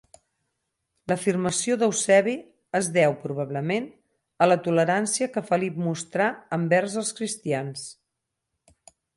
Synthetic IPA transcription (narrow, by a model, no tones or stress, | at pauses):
ləfirməsioðəwsɛβi | əzðɛwpɾuβaβləmen | ələt̪uləɾansiəkəfəlip̚must̪ɾaəmbɛrzəlˠskɾist̪ians